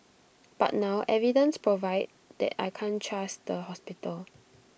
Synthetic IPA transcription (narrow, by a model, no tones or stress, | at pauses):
b̥a̰t̚naʊʔɛvidə̃nspʰɹovaɪd̚dɛ̰ta̰jkʰãnt͡ʃʰasdəɦɔspitəl